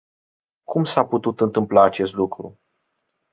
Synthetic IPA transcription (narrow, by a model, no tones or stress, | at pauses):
kʰumsaput̪ut̪ɨnt̪ɨmplaːt͡ʃe̞st̪lukɾu